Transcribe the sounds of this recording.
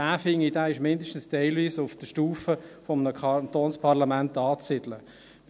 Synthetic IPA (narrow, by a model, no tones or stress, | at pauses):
æːfɪŋidæːɪʃmɪndəʃtən̩stɛɪlviːsʊfd̥əʃtuːfəfɔmənəkʰɑnt̪oːnspʰɑʁlamæntɑːt͡sːɪd̥lə